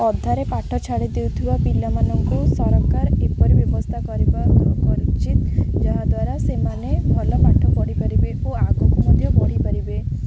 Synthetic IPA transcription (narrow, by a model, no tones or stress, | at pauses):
ɔd̪ʱːaɾepaʈʰɔt͡ʃʰaɽid̪ewt̪ʰibapilamanɔŋkusɔɾɔkaɾepɔɾibjɔbɔst̪ʰakɔɾibaɾupɔɾit͡ʃit̪d͡ʒaɦad̪waɾasemanebʱɔlɔpaʈʰɔbɔɽipaɾibeuaɡopɔmud̪ʱjɔbɔɽipaɾibe